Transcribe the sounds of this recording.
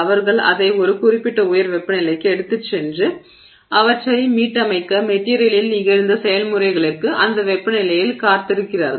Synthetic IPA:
ɐʋɐɾɣɐɭɐ̰ðɐɪɔɾɯkʊrɪpːɪʈːɐʊjɐɾʋɛpːɐnɪlɐɪkːɯɛɽɯt̪ːɯt͡ʃːɛndrɯ | ʔɐʋɐʈrɐɪmiːʈːɐmɐɪkːɐmɛʈːiːɾɪjɐlɪlnɪɣɐɻɯnd̪ɐsɛjɐlmɯrɐɪɣɐɭɯrkɯʔɐnd̪ɐʋɛpːɐnɪlɐjɪlkaːɾt̪ɪɾɯkːɪraːɾ

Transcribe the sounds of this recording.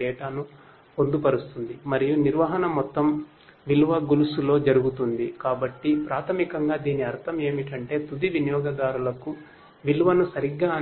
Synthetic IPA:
ɛːʈaːnu | po̞nd̪upɐɾust̪und̪imɐɾijuniɾʋɐɦɐnɐmɔt̪ːɐm | ʋilʋɐɡulusulo̞ːd͡ʒɐɾuɡut̪und̪ikaːbɐʈːipɾaːt̪ʰɐmikɐŋɡaːd̪iːniɐɾt̪ʰɐme̞ːmiʈɐɳʈe̞ːt̪ud̪iʋinjɔːɡɐd̪aːɾulɐku | ʋilʋɐnusɐɾiɡːaː

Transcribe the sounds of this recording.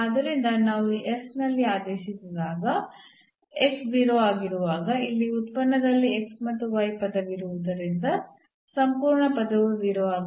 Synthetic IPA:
aːd̪ɐɾind̪ɐnaːʋuiʔesnɐlːiaːd̪eːʃisid̪aːɡɐ | eksziːɾoaːɡiɾuʋaːɡɐilːiut̪̚pɐnːɐd̪ɐlːieksmɐt̪ːuʋɐjpɐd̪ɐʋiɾuʋud̪ɐɾind̪ɐ | sɐmpuːɾɳɐpɐd̪ɐʋuziːɾoaːɡ

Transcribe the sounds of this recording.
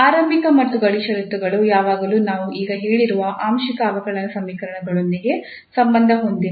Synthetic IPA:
aːɾɐmbikɐmɐt̪ːuɡɐɽiʃɐɾut̪ːuɡɐɭujaːʋaːɡɐluːnaːʋuʔiːɡɐɦeːɭiɾuʋɐʔaːmʃikɐːʋɐkɐɭɐnɐsɐmːiːkɐɾɐɳɐɡɐɭond̪iɡe̞ | sɐmbɐnd̪ʱɐɦo̞nd̪i

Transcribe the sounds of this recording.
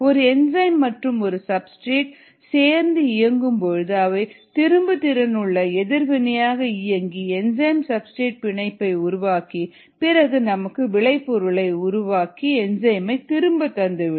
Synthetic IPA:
ɔɾɯɛnd͡ʒɐɪmːɐʈrɯmɔɾɯsɐbsʈɾiːʈ̚ | seːɾnd̪ɯɪjɐŋɡɯmpɔɻɯðɯɐʋɐɪt̪ɪɾɯmbɯt̪ɪɾɐnɯɭːɐɛðɪɾʋɪnɐjaːɣɐɪjɐŋɡiɛnd͡ʒɐjmsɐbsʈɾiːʈ̚pɪɳɐɪpːɐɪʊɾʊʋaːki | pɪɾɐɣɯnɐmɐkːɯʋɪɭɐɪpːɔɾɯɭɐɪʊɾʊʋaːkiɛnd͡ʒɐɪmɐɪt̪ɪɾɯmbɐt̪ːɐnd̪ɯʋɪ

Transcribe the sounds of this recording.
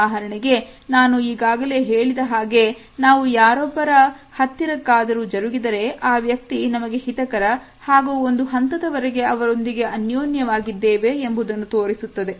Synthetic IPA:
aːɦɐɾɐɳiɡe̞naːnuiːɡaːɡɐle̞ːɦe̞ːɭid̪ɐɦaːɡe̞ | naːʋujaːɾɔbːɐɾɐhɐt̪ːiɾɐkːaːd̪ɐɾuːd͡ʒɐɾuɡid̪ɐɾe̞ʔaːʋjɐk̚t̪inɐmɐɡe̞hit̪ɐkɐɾɐ | haːɡuːond̪uɦɐnt̪ɐd̪ɐʋɐɾeɡe̞ɐʋɐɾo̞nd̪iɡe̞ɐnjoːnjɐʋaːɡid̪ːeːʋe̞ːmbud̪ɐnːut̪oːɾisut̪ːɐd̪e̞

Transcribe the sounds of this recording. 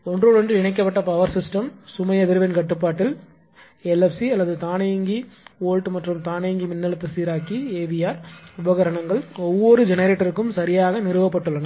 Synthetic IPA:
ɔndroːɭʋɔndrɯɪɳɐɪkːɐpːɐʈːɐpɐʋɐɾsɪsʈɐmsʊmɐɪɐðɪɾɯʋɐnkɐʈːɯpːaːʈːɪl | ɛlɛfsiɐlːɐðɯt̪aːnɐjŋɡioːɻʈɯmɐʈrɯmt̪aːnɐŋɡimɪnːɐlɐt̪ːɐsiːɾaːkieːʋɪjaːɾʊbɐɣɐɾɐɳɐŋɡɐɭɔʋːɔɾɯd͡ʒɛnɐɾeːʈːɐɾɯkːɯmsɐɾɪjaːɣɐnɪɾɯʋɐp̬ːɐʈːɯɭːɐŋɡɐ

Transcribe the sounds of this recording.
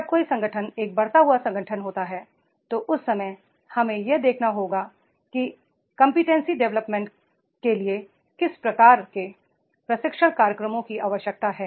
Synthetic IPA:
ɐb̚koːisɐ̃ŋɡʱəʈʰəneːk̚bɐɾt̪aɦuasɐ̃ŋɡʱəʈʰənɦoːt̪aɦɛː | t̪oʔʊsːɐmə | hɐmẽjed̪eːkʰnaɦoːɡa | ki | kɐ̃mpɪʈẽnsiɖɛʋləpmẽːɳʈ | kelie | kɪspɾɐkaːɾke | pɾɐsɪkʃəɽ̃kaːɾjəkɾəmõkiʔaːʋəʃjək̚t̪aɦɛː

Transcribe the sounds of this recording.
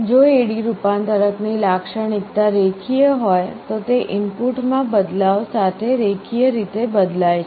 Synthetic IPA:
d͡ʒoeɽiɾupant̪əɾəknilakʃəɽikt̪aɾekʰijəɦojt̪ot̪eʔɪmpuʈmãbəd̪laʋsat̪ʰeɾekʰijəɾit̪ebəd̪lajt͡ʃʰe

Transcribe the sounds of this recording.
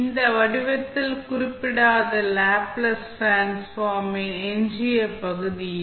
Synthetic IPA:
nd̪ɐʋɐɽɯʋɐt̪ːɪlkʊrɪppːɪɽaːðɐlaːplɐsfaːnsfaːmɐŋɛnd͡ʒɪjɐpɐɣɯðɪ

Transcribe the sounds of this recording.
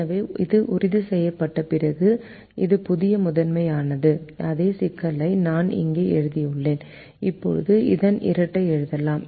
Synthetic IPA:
ɐʋeːɪðɯʔʊrɪðɯsɛjːɐpːɐʈːɐpɪrɐɣɯ | ɪðɯpʊðɪjɐmʊðɐnmɐɪaːnɐðɯʔɐðeːsɪkːɐlɐɪnaːnɪ̰ŋɡeːʔɛɻɯðɪjɯɭːeːn | ɪpːɔ̰ɻɯ̰ðɯɪ̰ðɐnʔɪ̰ɾɐʈːɐɪɛɻɯðɐlaːm

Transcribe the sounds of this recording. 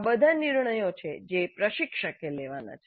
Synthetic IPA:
bəd̪ʱaniɾɳəjot͡ʃʰḛd͡ʒepɾəʃikʃəkeleʋana̰t͡ʃʰe

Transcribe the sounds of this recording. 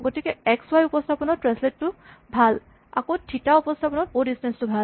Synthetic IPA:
ɡotikɛɛkswajupɔstʰapɔnɔtɹɛnsletːʊbʱal | a̰kotʰitaupɔstʰapɔnɔbodistɛnstubʱal

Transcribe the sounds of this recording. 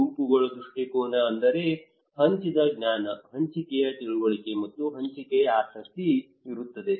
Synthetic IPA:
uːpuɡɐɭud̪ɾuʂʈikoːnɐːnd̪ɐɾe | ɦɐɲt͡ʃid̪ɐɡɲaːnɐɦɐɲt͡ʃikejɐt̪iɭuɡoɭikemɐt̪ːuɦɐɲt͡ʃikejɐaːsɐk̚t̪i | iɾut̪ːɐd̪e̞

